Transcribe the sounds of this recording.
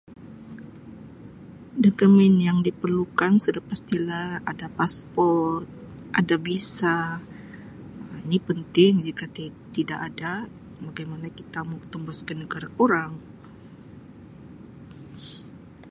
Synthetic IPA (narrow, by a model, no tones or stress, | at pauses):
dokəmɛnjaŋdipərlukansədəpast̪ilaadapaspɔrrt̪̚ | ʔadabisa | inipənt̪ɪŋd͡ʒikat̪ | t̪idaʔada | baɡajmanakit̪amɔkt̪əmbɔskənəɡaɾakoɾaŋ